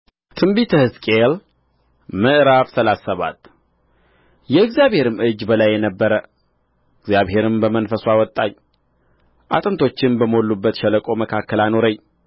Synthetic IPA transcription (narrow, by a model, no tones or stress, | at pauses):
t̪ʰɨmbit̪ʰəhɨskʼel | mɨʔɾaβsəlasːəβa̰t̪ | jɛɨɡzijaβhe̞ɾɨmɨd͡ʒːbəlajːɛnəbːəɾə | ɨɡzjaβhe̞ɾɨmbəmənfəswawɔt̪ʼːaɲ | ʔa̰t̪ʼɨnt̪ʰo̞t͡ʃːɪnbəməolːubːət̪ʃɛləkʼo̞məkʰakːəlano̞ɾəɲ